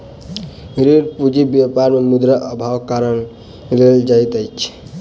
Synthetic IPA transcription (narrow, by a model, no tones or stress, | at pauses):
ɾiɾpud͡ʒibjapaɾmemud̪ɾəʔəbʱawkaɾən | leld͡ʒajt̪əjt͡ʃʰ